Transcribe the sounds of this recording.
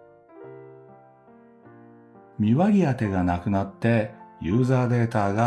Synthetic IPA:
mʲiβaɾʲiat̪e̞ɡanakɯ̟nat̪ːe̞jɯ̟ːzaːd̪e̞ːt̪aːɡa

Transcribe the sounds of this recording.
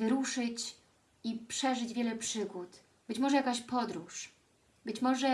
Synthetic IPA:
vɘɾuʂɘt͡ɕ | ipʂɛʐɘd͡ʑvʲjɛlɛpʂɘɡut̪ | b̥ɘt͡ɕmɔʐɛjakaɕpɔd̪ɾuʂ | bɘt͡ɕmɔʐɛ

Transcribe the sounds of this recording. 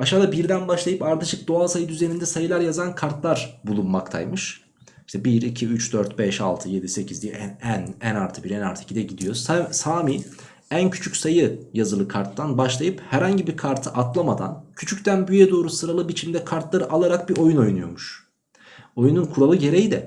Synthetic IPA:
aʃaːd̪abiɾd̪ænbaʃlˠajɯpaɾt̪ʰɯʃɯk̚d̪o̞asajɯd̪yze̞nind̪ɛsajɯlˠaɾjazankʰaɾt̪lˠaɾbulˠunmakt̪ʰa̰jmɯʃ | iʃt̪ʰɛbiɾicʰiyt͡ʃd̪øɾt̪̚bɛʃa̰lˠt̪ʰɯje̞d̪ise̞cʰizd̪iɛɛænænaɾt̪ʰɯbiɾæna̰ɾt̪ʰɯi̥cʰʲid̪ɛɟid̪ijo̞sasaːmiː | æncʰy̥t͡ʃʰycʲsajɯjazɯlˠɯkʰaɾt̪ːanbaʃlˠajɯphæɾhaɲɟibiɾkʰaɾt̪ʰɯʔat̪lˠamad̪a̰ncʰyt͡ʃʰyct̪ʰænbyjɛd̪o̞ːɾusɯɾalˠɯbit͡ʃʰimd̪ɛkʰaɾt̪lˠaɾɯʔalˠaɾak̚biɾʔo̞juno̞junujo̞̰muʃ | o̞jununkʰuɾalˠɯɟe̞ɾejid̪ɛ

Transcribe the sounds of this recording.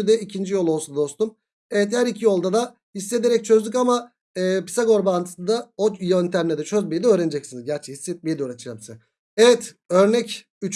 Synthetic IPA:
yd̪ɛicʰind͡ʒijo̞lˠolˠsud̪o̞st̪um | evɛt̪hæɾicʰijo̞lˠd̪ad̪a | hisːe̞d̪eɾɛc̚t͡ʃʰø̞zd̪ycamaː | pi̥saɡo̞ɾbant̪ʰɯ̥sɯnd̪aojønt̪ʰæmlʲɛd̪ɛt͡ʃʰøzbejd̪ɛøːɾened͡ʒɛc̚sinizɟæɾt͡ʃʰɛhisːɛt̪̚mejid̪ɛøːɾat̪ʰɯ̥ʒabisa | evɛt̪ | ø̞ɾnɛc | yt͡ʃ

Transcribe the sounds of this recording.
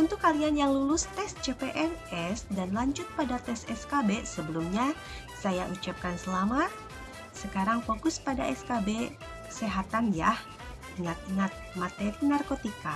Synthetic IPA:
unt̪ʊkːalianjaŋlulʊst̪ɛsd͡ʒepeʔɛrɛsdanlaɲd͡ʒʊt̪̚padat̪ɛsɛskabesəbəlumɲa | sajaʔut͡ʃap̚kansəlamat̪̚ | səkaɾaŋfokʊspadaʔɛskabe | seɦat̪anjah | əŋat̪ŋat̪̚mat̪eɾinarkot̪ika

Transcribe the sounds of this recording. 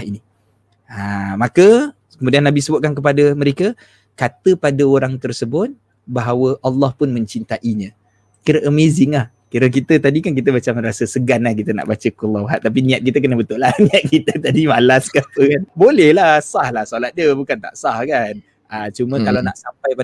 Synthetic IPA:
ini | amakə | kəmudianːabisəbʊt̪̚kank̬əp̬adəməɾekə | kat̪əpadəoɾaŋt̪ərsəbʊt̪̚ | baɦawəʔɑlːɑhpʊnmə̃ɲt͡ʃint̪aʔiɲə̃ | kiɾəʔəmezɪŋlah | kiɾək̬it̪ət̪adikank̬it̪əbat͡ʃamrasəsəɡanlahkit̪əna̰ʔbat͡ʃəkulaɦat̪̚ːap̬inĩat̪̚kit̪əkənəbət̪ʊʔlahniat̪̚kit̪ət̪adimalaskapəkanbolɛhlasahlahsolat̪̚dəbukant̪a̰ʔsahkan | ət͡ʃumə̃kalawnaʔsampajpa

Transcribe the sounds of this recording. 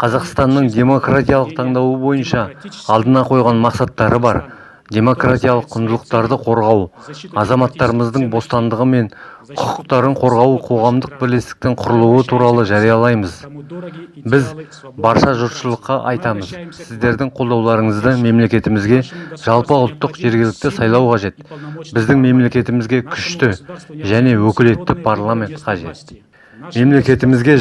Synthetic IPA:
qʰɑzɑqst̪ɑnːəɴd̪ʲe̞mo̞krat̪ʲijaɑlˠəq̚t̪ʰɑɴd̪ɑwəbo̞jənʃɑɑlˠd̪ənɑqʰo̞jʁɑnmɑqsɑt̪ːɑɾəbɑ̰ɾ | d̪ʲe̞mo̞krat̪ʲijalˠəqʰːʊnd̪əlˠəqt̪ɑɾd̪əqʰo̞ɾʁɑw | ɑzɑmɑt̪ːɑɾəməzd̪əɴbo̞st̪ɑnd̪əʁəme̞n | qʰʊqʊqt̪ɑɾəɴqʰo̞ɾʁɑwəqʰo̞ʁɑmd̪əq̚bɪɾle̞st̪ɪ̥k̚t̪ɪŋqʰʊɾəlˠuwət̪ʰuɾɑlˠəʒɑɾijɑlˠɑjməz | bɪz | bɑɾʃɑʒʊɾʃəlˠəqːɑʔɑ̰jt̪ɑməz̥sɪzd̪e̞ɾd̪ɪŋqʰo̞lˠd̪ɑwlˠɑɾəɴəzd̪əme̞mle̞kʲe̞t̪ɪmɪzɡʲe̞ʒ̥ɑlˠpəʊlˠt̪ːəqʒe̞ɾɡʲɪlɪk̚t̪ɪsɑjlˠɑwqʰɑʒe̞t̪bɪzd̪ɪŋme̞mle̞kʲe̞t̪ɪmɪzɡʲe̞kʲʰʏʃt̪ɪʒæne̞wɵkʲɪle̞t̪ːɪpʰaɾlˠamʲe̞nt̪qʰɑʒe̞̰t̪ | me̞mle̞kʲe̞t̪ɪmɪzɡʲe̞

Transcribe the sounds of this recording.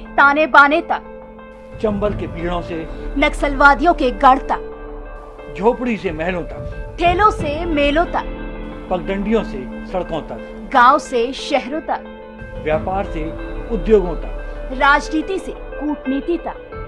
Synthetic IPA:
t̪aːnebaːnet̪ɐk | t͡ʃɐ̃mbəlkebʱiːɽõsenɐksəlʋaːd̪ijõkeɡɐɽt̪a | d͡ʒʱoːpɽisemɛɦlõt̪ɐkʈʰeːlõsemeːlõt̪apɐk̚ɡ̪ə̃ɳɖijõsesɐɽkõt̪ɐk | ɡãːwseʃɛɦɾõt̪a | ʋjaːpaːɾseʊd̪joːɡõt̪aɾaːd͡ʒniːt̪isekuːʈniːt̪it̪a

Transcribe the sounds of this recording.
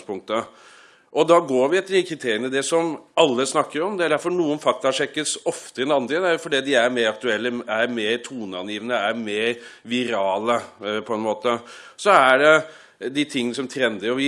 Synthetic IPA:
pʰʊŋk̚t̪ə | ʔɔd̪ɑɡoːɾʋɪɛt̪ːəɾɪkʰɾɪt̪ʰeːɾɪənəd̪ɛsɔmɑlːəsnɑkːəɾɔmd̪ɛæɖæɾfɔɳuːənfɑk̚t̪ɑɑʂɛkːəsɔft̪əɪnɑnd̪ɾɪd̪æʊfɔɖiːd̪ɪæɾmeːɾɑk̚t̪ʉɛlːəæɾmeːɾt̪ʰuːnəɑnjiːʋənəæɾmeːɾʋɪɾɑːləpʰɔɛnmoːt̪əsɔæɖɛ | d̪ɪt̪ʰɪŋːənəsɔmt̪ʰɾɛnd̪əɔʋɪ

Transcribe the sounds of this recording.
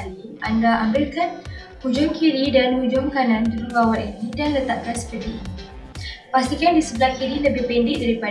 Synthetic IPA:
liʔandaʔambɪlkan | hud͡ʒʊŋkiɾidanhud͡ʒʊmkanãnd̪uɾuɾawaninĩdanlət̪aʔ̚kansə̥pədiini | past̪ikandisəbəlahkiɾiləbɪhpɛndɪʔdaɾipa

